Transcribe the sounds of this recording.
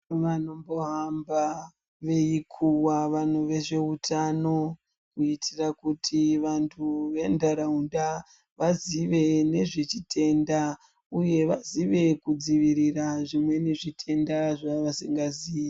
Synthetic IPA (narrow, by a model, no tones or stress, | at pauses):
ʋano̞mbo̞ɦamba | ʋe̞ikʰuwaʋan̤uʋe̞ʐe̞utʰano̞ | kuitʰirakutʰiʋantʰuʋe̞ndaɾaunda | ʋaziʋe̞ne̞ʐet͡ʃitʰe̞nda | uje̞ʋaziʋe̞kud͡ziʋiɾiraʐimwe̞neʐitʰe̞ndaʐaʋasiŋɡazii